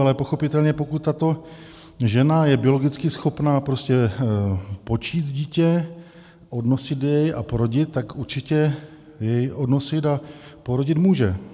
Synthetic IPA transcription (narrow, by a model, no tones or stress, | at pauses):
alɛpo̞xo̞pɪt̪ɛlɲɛpo̞kut̪̚ːat̪o̞ | ʒɛnajɛbɪo̞lo̞ɡɪt͡skɪsxo̞pnaːpɾoscɛ | po̞t͡ʃiːt̪ɟiːcɛ | ʔo̞dnosɪd̪jɛja̰poɾo̞ɟɪt̪̚ːakuɾt͡ʃɪcɛ | jɛjʔo̞dnosɪt̪apo̞ɾoɟɪt̪muːʒɛ